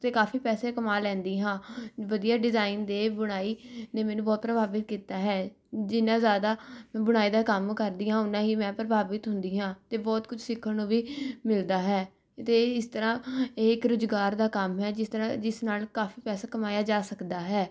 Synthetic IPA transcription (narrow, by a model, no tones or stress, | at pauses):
t̪eːkaːfiːpɛːseːkəmaːlɛ̃ːnd̪iːɦãːʋəd̪ijaːɖɪzaːiːnd̪eːbʊɽ̃aːiːnẽːmɛːnũːbɔːt̪̚pɾəbaːbɪt̪̚kiːt̪aːɦɛː | d͡ʒɪnãːzjaːd̪aːmɛ̃ːbʊɽ̃aːiːd̪aːkəmkəɾd̪iːɦãːʊnãːɦiːmɛ̃ːpɾəbaːʋɪt̪ɦʊnd̪iːɦãːt̪eːbɔːt̪kʊt͡ʃʰsɪkʰːənõːʋiːmɪld̪aːɦɛː | t̪eːɪst̪əɾãːeːɪkɾʊzɡaːɾd̪aːkəmɦɛːd͡ʒɪst̪əɾãːd͡ʒɪsnaːlkaːfiːpɛːsaːkəmaːjaːd͡ʒaːsəkd̪aːɦɛː